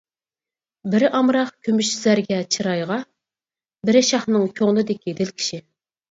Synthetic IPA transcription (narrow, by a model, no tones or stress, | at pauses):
bɪɾɪʔɑmɾɑχkʲʰømyʃz̥æɾɡʲɛt͡ʃʰiɾɑjʁɑ | bɪɾɪʃɑχnɨŋkʲʰoŋlˠɨd̪ɪkʲʰid̪ɪlkʲʰi̥ʃi